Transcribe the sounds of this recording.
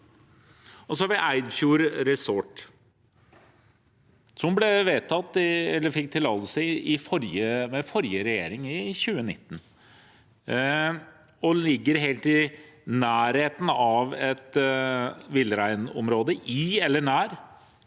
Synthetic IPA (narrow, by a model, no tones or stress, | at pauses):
ɔsɔhɑɾʋɪʔæɪd̪fjuːɾɾɛsɔʈ | sɔmblɛʋeːt̪ʰɑt̪ːɪɛlːəɾfɪk̚ːt̪ʰɪlːɑːləlsəɪfɔɾjəmɛfɔɾjəɾɛjḛːɾɪŋɪçʉːənɪt̪ːn̩ | ɔlɪɡːəɾɦeːlt̪ɪnæːɾheːt̪n̩ɑʋɛt̪ | ʋɪləɾæɪnɔ̰mɾoːd̪əʔɪɛlːəɳæːɾ